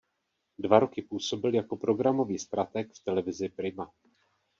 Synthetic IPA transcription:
dvaɾo̞kɪpuːso̞bɪljako̞pɾo̞ɡɾamo̞viːst̪ɾat̪ɛkft̪ɛlɛvɪzɪpɾɪma

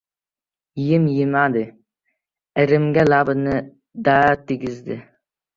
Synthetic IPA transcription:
jɪmjɪmad̪ɪ | ɪɾɪmɡʲalabɨnɪ | d̪at̪ʰːɪɡʲɪzd̪ɪ

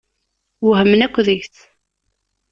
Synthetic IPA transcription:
wɦəmːnækʷːðiçθ

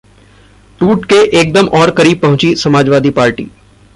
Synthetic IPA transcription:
ʈuːʈkeʔeːk̚d̪əmɔːɾkɐɾiːb̚pɐɦʊ̃t͡ʃisɐmaːd͡ʒʋaːd̪ipaːɾʈḭː

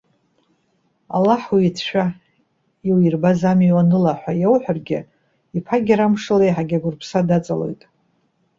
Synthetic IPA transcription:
a̰laħwiːtʰʃʷᶣa | iwirbazamiwanɨlaħʷajewħʷᶣarɡʲɪ | ipʰaɡʲɪɾamʂɨlejħaɡʲaɡʷʊrpʰsadat͡sʼalo̞̰jtʼ

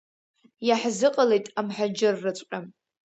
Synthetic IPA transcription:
jaħzɨqʼalejtʼamħad͡ʒɪrːɨt͡sʷʼqʲʼam

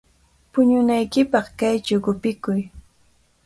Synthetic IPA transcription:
pʊɲʊnajkɪpɑχkajt͡ʃʊɡʊpɪkʊj

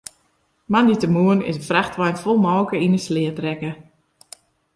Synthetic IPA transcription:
manditəmuənɪ̰səfraxtʋajnfɔlˠmɔːkəinəslɪətrɛkə

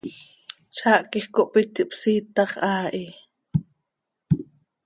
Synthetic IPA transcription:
t͡ʃʰaːʔkixkoʔpit̪iʔpsiːt̪ɑχʔaːʔi

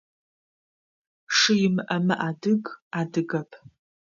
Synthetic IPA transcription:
ʂɨjɪmɨʔɐmɨʔaːdɨɡaːdɨɡɐpʰ

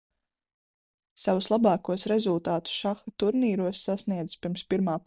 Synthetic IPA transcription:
sawuslˠabɑːkuɔsɾɛzulˠt̪aːt̪u̥ʃaxat̪uɾniːɾuɔsːasniɛd̪zɨ̥spiɾmspiɾmaː

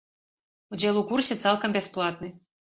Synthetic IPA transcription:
udʲɛlˠukursʲɛt̪salˠkɐmbʲɛsplˠat̪̚nɨ

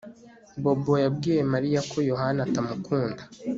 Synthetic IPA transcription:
bo̞bo̞jabɡiːje̞maɾijakʰo̞jo̞ɦanatamukʰuːnda

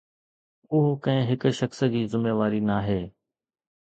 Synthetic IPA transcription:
ʊɦkɐ̃ɦɪ̃ɦɪkʃəksd͡ʑiːzɪmeːʋaːɾinaːɦeː

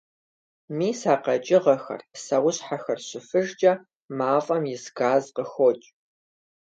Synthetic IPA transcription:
miːsaːqɐt͡ʃʼɪʁɐxɐ̰rsɐwʊɕħaxɐrɕɪfɨʒd͡ʒʼɐ | maːfʼɐmjɪsɡaːzqəxot͡ʃʼ

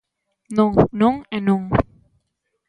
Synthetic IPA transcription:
noŋnoŋɛnuŋ

